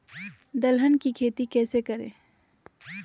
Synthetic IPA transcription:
d̪ɐlɦənkikʰeːt̪ikɛːsekəɾḛ̃ː

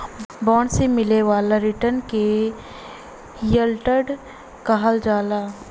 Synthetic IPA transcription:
bɔːɳsemɪleʋaːlaɾɪʈənke | jəlʈəɖ | kaɦəld͡ʒaːlaː

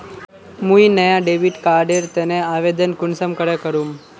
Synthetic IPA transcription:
mũinəjaɖeʋiʈkaɾɖeɾt̪eneaʋed̪ənkʊnsəmkəɾekəɾũm

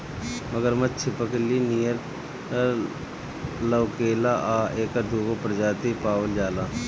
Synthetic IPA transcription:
mɐɡəɾmɐt͡ʃʰɪpəklinijəɾ | lɐwkeːlaʔaːeːkəɾd̪ʱuːɡopəɾd͡ʒaːt̪ipaːwəld͡ʒaːlaː

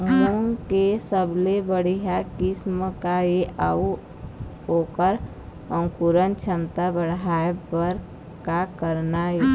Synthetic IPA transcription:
moŋkesəblebəɽiɦakɪsməkajeʔau | oːkəɾ | ə̃ŋkuɾənt͡ʃʰəmt̪abəɽaːebəɾ | kakəɾnae

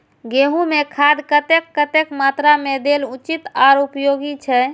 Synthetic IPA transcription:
ɡeɦũmekʰad̪kət̪ekːət̪ekmat̪ɾamed̪elut͡ʃit̪aɾupjoɡit͡ʃʰɛ

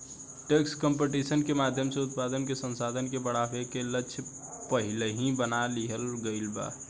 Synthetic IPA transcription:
ʈekskəmpeʈisənkemad̪ʱjəmseut̪̚pad̪ənkesə̃nsad̪ʱənkebəɽabekeləːʃʰ | pəɦileɦĩbənaliɦəlɡəɪlba̰

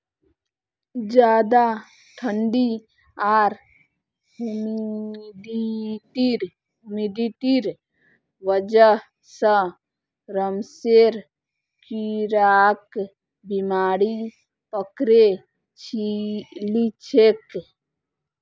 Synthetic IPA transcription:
d͡ʒjaːd̪a | ʈʰəɳɖi | aːɾ | um | diʈiɾ | umid̪iʈiɾ | ʋəd͡ʒə | sə | ɾəmseɾ | kiɾak | bimaːɽi | pəkɾe | t͡ʃʰilit͡ʃʰek

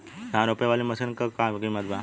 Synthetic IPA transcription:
d̪ʱãɾopjeʋaliməsənkəkãɡiməd̪ba

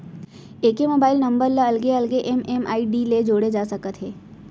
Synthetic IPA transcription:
eːkemoːbaːɪlnɐ̃mbəɾləɐlɡeɐlɡeʔɛmɛma̰ːiɖiːled͡ʒoːɽed͡ʒaːsɐkət̪ɦeː

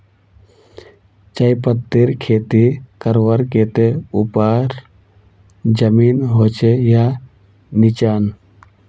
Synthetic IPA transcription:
t͡ʃəjpət̪ːiɾkʰeːt̪ikəɾʋəɾkeːt̪eupaːɾ | d͡ʒəmiːnɦoːt͡ʃeja | nɪt͡ʃaːn

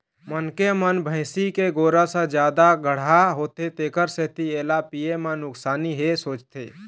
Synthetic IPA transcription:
mənkemənbʱə̃ɪsikeɡoːɾasə̃d͡ʒjaːd̪aɡʱəɽ̤aɦot̪et̪eːkəɾset̪ieːlapiemə̃nʊksaːniɦesoːt͡ʃt̪ʰḛ

